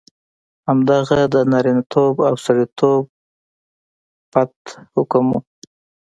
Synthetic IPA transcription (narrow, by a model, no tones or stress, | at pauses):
hamd̪aɣad̪ənaɾinat̪ʰobawsaɽit̪ʰob̚ | pat̪hʊkəmṵ